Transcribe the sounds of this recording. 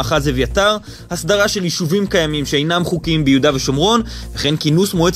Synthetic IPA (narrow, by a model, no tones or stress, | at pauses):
χazevejataʁ | hasdaʁaʃe̞ljiʃuvimkajamimʃeejnamχukiimbejudaveʃomʁo̞nveχe̞nkinusmoet͡s